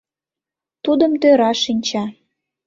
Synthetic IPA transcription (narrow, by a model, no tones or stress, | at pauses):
t̪ud̪əmt̪øɾɑʃinʲt͡ɕɑ